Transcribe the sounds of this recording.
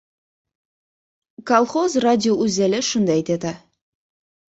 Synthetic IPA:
kalˠχozradʲɪoʔʉzælɪʃund̪ɑjt̪et̪ɑ

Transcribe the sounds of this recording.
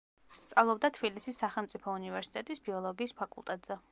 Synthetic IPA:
st̪sʼavlˠɔbd̪at̪ʰbilisisːaχɛlˠmt̪sʼipʰɔunivɛɾsi̥t̪ʼɛt̪ʼisbiɔlˠɔɡiːspʰakʼṵlˠt̪ʼɛt̪ʼz̥ɛ

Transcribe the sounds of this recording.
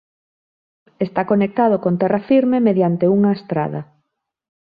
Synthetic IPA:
est̪akonek̚t̪að̞ʊkont̪ɛrɐfiɾmemeðjant̪euŋaest̪ɾa̰ðɐ̰

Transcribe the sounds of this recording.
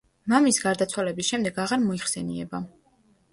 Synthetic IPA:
mamisɡaɾd̪at̪sʰwalɛbisʃɛmd̪ɛɡaʁaɾmɔiχsɛniɛ̰ba

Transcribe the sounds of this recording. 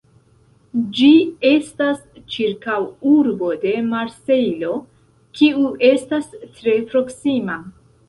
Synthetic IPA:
d͡ʒie̞stast͡ʃiɾkawuɾbo̞de̞maɾse̞jlo̞ | kʰiuʔe̞stastɾe̞pɾo̞ksima

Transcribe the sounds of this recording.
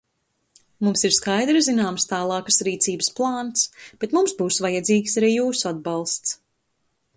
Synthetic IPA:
mumsiɾskajd̪ɾɨzinaːmst̪aːlˠɑːkəsɾiːt̪siːbɨsplˠɑːnsb̥ɛt̪mumsbuːsvajad̪ziːkʲsaɾiːjuːsuad̪̚bɑlˠst̪s

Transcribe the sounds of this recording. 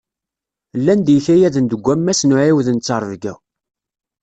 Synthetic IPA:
lːænd̪jəçæjæðənd̪əɡʷːæmːæsnʊʕiwðnt͡sːɑɾˤvɡæ̰

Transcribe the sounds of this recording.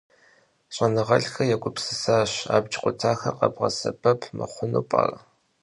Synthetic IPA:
ɕʼɐnɨʁɐɬxɐjɛɡʷʊpsɨsaːɕa̰ːbd͡ʒʼqʷʼʊtʰaːxɐqɐbʁɐ̰sɐ̰pʰɐpʰmɨ̰χʷʊnuːpʼa̰ːrɐ

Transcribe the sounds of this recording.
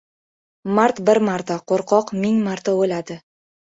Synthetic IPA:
maɾt̪bɪɾmaɾt̪aqʰoɾqʰɒqmɪŋmaɾt̪aɵlad̪ɪ

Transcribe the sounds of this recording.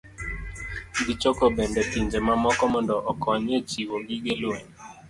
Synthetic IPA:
ɡit͡ʃɔkɔbɛndɛtiɲd͡ʒemamɔkɔmɔndɔʔɔkʰɔɲet͡ʃiwoɡiɡeloɲ

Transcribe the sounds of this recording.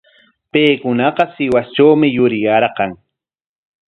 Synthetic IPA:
pejkʊnɑqɑsɪwast͡ʃawmɪjʊɾɪjaɾɢɑŋ

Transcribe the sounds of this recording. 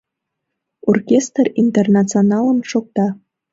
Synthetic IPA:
orkʲest̪rint̪ernɑt͡sionɑləmʃok̚t̪ɑ

